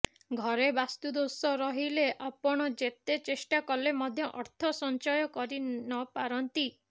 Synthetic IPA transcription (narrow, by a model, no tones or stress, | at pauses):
ɡʱɔɾebast̪ud̪osɔɾɔɦileʔapɔɽ̃ɔd͡ʒet̪et͡ʃesʈakɔlemɔd̪ʱjɔʔɔɾt̪ʰɔsɔnt͡ʃɔjɔkɔɾinɔpaɾɔnt̪i